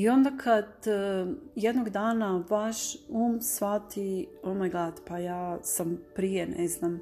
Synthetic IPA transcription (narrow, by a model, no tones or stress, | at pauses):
io̞nd̪akʰad̪ | jed̪noɡd̪aːnaʋaʃuːmsʋat̪iomajɡlaːt̪pajaːsampɾijeneznam